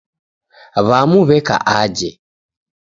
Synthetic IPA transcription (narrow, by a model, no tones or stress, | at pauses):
βamuβɛka̰ʔaɟɛ